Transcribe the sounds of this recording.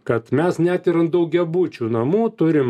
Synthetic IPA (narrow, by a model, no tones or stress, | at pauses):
kɐt̪mʲɛsnʲæt̪ʲɪɾɐnd̪ɐʊɡʲɛbuːt͡ʃʲuːnɐmuːt̪ʊɾʲɪm